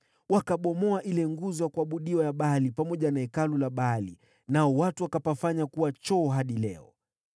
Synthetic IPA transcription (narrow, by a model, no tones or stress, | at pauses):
wakaɓɔmɔaʔilɛŋɡuzɔjakuaɓuɗiwajaɓalipamɔʄanaɛkalulaɓalḭ | naɔwatuwakapafaɲakuwat͡ʃɔːɦaɗilɛ̰ɔ̰